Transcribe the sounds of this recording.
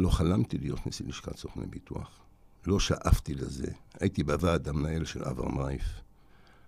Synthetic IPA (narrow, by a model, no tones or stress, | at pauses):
lo̞χalamt̪ilijo̞t̪nesiliʃka̰sofnḛbitua̰χ | lo̞ʃaʔaft̪ileze̞̰ajit̪ibavad̪amnaelʃelʔa̰va̰ʁmajf